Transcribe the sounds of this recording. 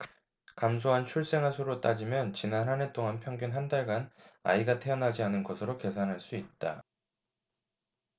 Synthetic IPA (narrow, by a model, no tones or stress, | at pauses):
kams̬ʰoɦant͡ɕʰuɭs͈e̞ŋɦasʰoɾot͈ad͡ʑimjʌnt͡ɕinanɦane̞t͈oŋanpʰjʌŋɡjunɦandaɭɡana̰iɡatʰe̞ʌnɦad͡ʑianɯnɡʌsʰɯɾoke̞sʰanɦaɭs͈uit̚t͈a̰